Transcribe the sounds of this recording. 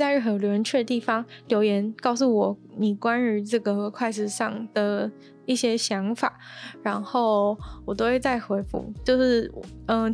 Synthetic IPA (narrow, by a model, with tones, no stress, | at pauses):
t͡sa˥˧ɪɻ̩˥˩xə˧˥o˨˩jo˧ʊjnt͡ɕʰɥɛ˥˩d̪ə˩t̪i˥˩fɑ˥ŋljo˧˥ʊjɛ˧˥nkɑ˥˧ʊs̬u˥˩wɔ˨˩˦ni˨˩kwa˥nɻy˧˥ʈ͡ʂɤ˥˩ɡə˩˧kʰwa˥˧ɪʂɻ̩˥˧ʂɑ˥˩ŋd̪̥ə˩ | i˥˩ɕjɛ˥ɕjɑ˧˥ŋfa̰˨˩˦ɻa˧˥nxo˥˩ʊwɔ˨˩t̪o˥xwe˥˧ɪt͡sa˥˩ɪxwe˧˥ɪfṵ˧˩˦t͡ɕjo˥˧ʊʂɻ̩˥˩˨ə˧